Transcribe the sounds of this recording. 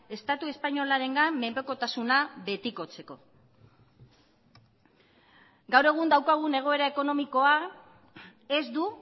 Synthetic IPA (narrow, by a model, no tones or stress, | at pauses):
e̞st̪at̪ue̞spaɲo̞laɾe̞ŋɡamːe̞mpeko̞t̪asunaβe̞t̪iko̞t͡se̞ko̞̰ | ɡawɾe̞ɣ̞und̪awkaɣ̞une̞ɣ̞o̞e̞ɾae̞ko̞no̞miko̞a | e̞zd̪u